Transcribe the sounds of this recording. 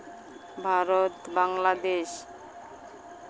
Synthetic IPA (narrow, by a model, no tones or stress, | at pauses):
bʱaɾot̪baŋlad̪eʃ